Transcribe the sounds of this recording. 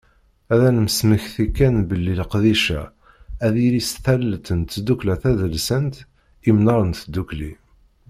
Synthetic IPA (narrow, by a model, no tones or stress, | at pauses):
æðænəmsməçθikːænbəlːilqðiʃæ̰ | æðiɾisθælːt̪ənt̪ːd̪uklæθæðəlsənt̪ | imnɑɾˤənθd̪ːukli